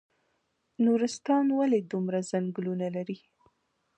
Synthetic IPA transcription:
nuɾɪst̪ɑnwaled̪umɾazaŋɡlunalaɾi

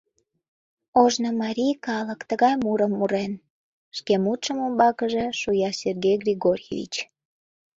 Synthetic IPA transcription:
oʒnəmɑɾʲijkɑləkt̪əɣɑjmuɾəmːuɾen | ʃkemut̪ʃəmombɑkəʒeʃujɑserɡʲejɡrʲiɣorʲjḛvʲḭt͡ɕ

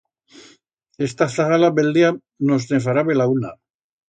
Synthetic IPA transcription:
est̪aθaɣalabeld̪ia | nosnefaɾaβelauna

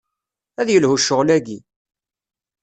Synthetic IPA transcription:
æðjəlhuʃəʁlæɡi

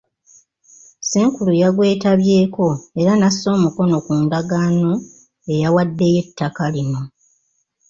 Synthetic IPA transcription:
seːŋkulujaɡwe̞ːtaβje̞ːko̞e̞ɾanasːo̞ːmuko̞no̞kuːndaɡaːno | e̞jawadːe̞je̞tʰːakalino̞

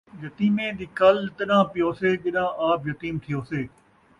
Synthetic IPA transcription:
jɐt̪iːmẽd̪iːkɐlt̪əɗãːpɪjoːseːd͡ʒɪɗãʔaːpjɐt̪iːmt̪ʰɪjoːseː

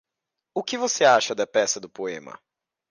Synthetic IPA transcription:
ʊkɪvoseaʃɐd̪ɐpɛsɐd̪ʊpoẽmɐ̰

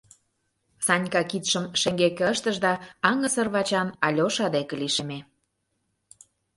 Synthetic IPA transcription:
sɑnʲkɑkit̪ʃə̆mʃĕŋɡekəʃt̪ə̆ʒd̪ɑɑŋə̆sə̆rβɑt͡ɕɑnɑlʲoʃɑd̪ekĕliʃeme

